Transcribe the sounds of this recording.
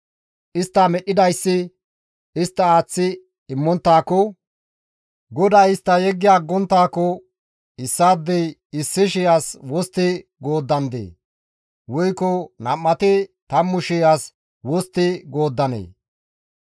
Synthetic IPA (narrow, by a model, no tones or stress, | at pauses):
ʔɪst̪ːɐmɛɗɪd̪ɐjsːɪ | ɪst̪ːɐaːt͡sːɪ | ɪmːɔnt̪ːaːkɔ | ɡɔd̪aɪst̪ːɐjɛɡːɪjaːɡːɔnt̪ːaːkɔ | ɪsːaːd̪ːɛjɪsːɪʃ̬ɪjaswɔst̪ːɪɡo̞ːd̪ːɐnd̪ḛː | wɔjkːɔnɐmːɐt̪ɛt̪ɐmːʊʃɪjas | wɔst̪ːɪɡoːd̪ːɐnḛː